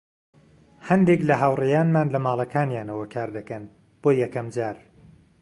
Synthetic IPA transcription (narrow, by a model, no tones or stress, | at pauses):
hɐnd̪eklɐɦaːwrejaːnmaːnlɐmaːlˠɐkaːnjaːnɐwɐkʰaːɾd̪ɐkɐn | b̥oːjɛkɐmd͡ʒaːɾ